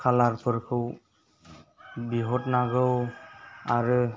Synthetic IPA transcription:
kʰalaɹpʰɯɹkʰɯw | biɦɔtnaɡɯw | aɹɯ

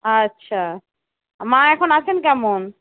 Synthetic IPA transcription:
ətːɕʰa | mãɛkʰonat͡ɕʰenkɛmon

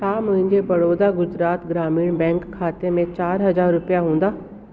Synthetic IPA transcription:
t̪aːmə̃ɪ̃ɲd͡ʒebɐɽoːd̪aɡʊd͡ʒɾaːt̪ɡɾaːmiːɽ̃bɛ̃ːŋkʰːaːt̪emẽt͡ʃaːɾɦɐzaːɾːʊpjaɦũːnd̪aː

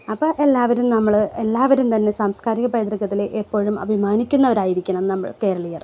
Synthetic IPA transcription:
ɐpːoːʔe̞lːaːʋɐɾumnɐmːɐɭelːaːʋɐɾumt̪ɐnːe̞saːmskaːɾiɣɐpɐjɐd̪rɐɣɐt̪ːileʔepːo̞ːɻumɐ̰bʱimaːnikʲːunːɐʋɐɾaːjiɾikʲːunɐenɨnɐmːɐ̰ɭke̞ːɾɐɭɐjir

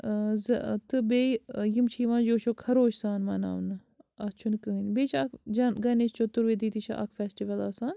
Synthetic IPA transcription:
zɐt̪ɨbeːjimt͡ʃʰiːʋãːnd͡ʒoːʃokʰɐɾoːʃsaːnmɐna̰ːʋnɨ | ɐt͡ʃʰunkəːnʲbeːt͡ʃʰakd͡ʒɐnɡɐnet͡ʃt͡ʃʰot̪uɾʋeːd̪it̪it͡ʃʰɐ̰ʔɐ̰kʰfeːsʈiʋɐlaːsaːn

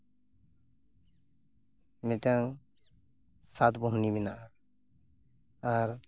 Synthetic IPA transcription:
mɛt̪aŋ | sat̪bɔɦuniminaʔa | aɾ

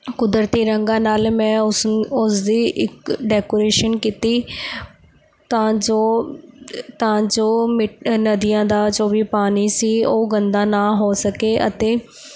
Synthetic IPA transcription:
kʊd̪əɾt̪iːɾəŋɡãːnaːlmɛ̃ːʊsʊsd̪iːʔɪkɖɛːkoːɾeːʃənkiːt̪iː | t̪ãːd͡ʒoː | t̪ãːd͡ʒoːmɪʈnəd̪ijãːd̪aːd͡ʒoːʋiːpaːniːsiːoːɡənd̪aːnaːɦoːsəkeːʔət̪eː

